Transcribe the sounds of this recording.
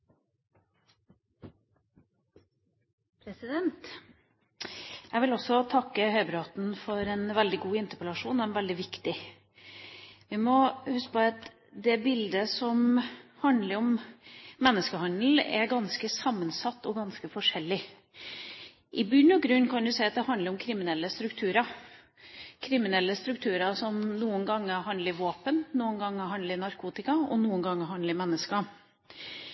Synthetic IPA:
pʰɾɛsɪd̪ɛnt̪ | ɛʋɪlɔsɔt̪ʰɑkːəhœʏbɾɑt̪nfɔɾɛnʋɛld̪ɪɡuːɪnt̪əpəlɑʂuːnɔɛnʋɛld̪ɪʋɪkt̪ɪ | ʋɪmɔhʉsk̚pʰoɑt̪ | d̪ɛbɪld̪əsɔmhɑnd̪ləɾɔm | mɛnːəskəhɑnd̪l̩ɛ̰ɡɑnskəsɑmːənsɑt̪ːɔɡɑnskəfɔʂɛlːɪ | ʔɪbʏnːɔɡɾʉnːkʰɑnd̪ʉsæɪɑt̪̚d̪ɛhɑnd̪əɾɔmkʰɾɪmɪnɛlːəst̪ɾʉkt̪ʰʉːɾɑ | kʰɾɪmɪnɛlːəst̪ɾʉk̚t̪ʰʉːɾɑsɔmnuːənɡɑŋːəɦɑnd̪əɾʋoːpənnuːənɡɑŋːəɦɑnd̪ləɾɪnɑɾkʰuːt̪ɪkɑɔ̰nuːənɡɑŋːəɦɑnd̪ləmɛnːəskɑ

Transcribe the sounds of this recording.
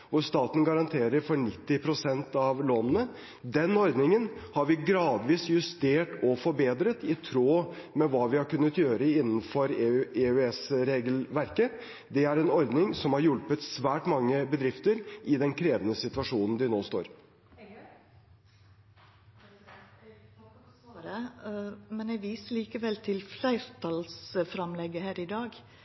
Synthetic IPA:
ʋʊst̪ɑːt̪n̩ɡɑɾɑnt̪ʰeːɾəɾfɔɳɪt̪ːɪpʰɾʊsɛnt̪ɑʋloːnən̩ə | d̪ɛnɔɾd̪nɪŋənhɑɾʋɪɡɾɑːd̪ʋiːsjʉst̪eːʈɔfɔɾbeːd̪ɾət̪ɪt̪ʰɾoːmɛʋɑːʋɪhɑɾkʉnːət̪jøːɾəɪnːn̩fɔɾeʉɛsɾeːɡlʋæɾkə | d̪ɛæɾɛnɔɾd̪nɪŋsɔmhɑɾjʊlpət̪sʋæːʈmɑŋːəbəd̪ɾɪft̪əɾʔɪd̪ɛnkʰɾeːʋənəsɪt̪ʉɑʂuːnn̩d̪ɪnoːst̪o̰ːɾ | ɾə | mɛnɛɡʋiːsəliːkəʋɛlt̪ʰɪlflæɪɾt̪ʰɑlsfɾɑmlɛɡəhæːɾɪd̪ɑːɡ

